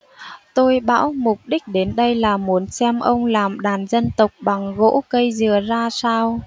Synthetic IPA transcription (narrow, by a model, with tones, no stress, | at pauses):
t̪o˧jɓa̰ː˧˥wmʊ˨˩k͡p̚ɗï˦˥k̟̚ɗe˨˦nɗə˧jlaː˨˩mu˨˦ənsɛ˧mʔə˧wŋ͡mlaː˨˩mɗaː˨˩nzə˧nt̪ə˨˩wk͡p̚ɓa˨˩ŋɣo̰˧˥kə˧jzɨ˨˩əzaː˧saː˧w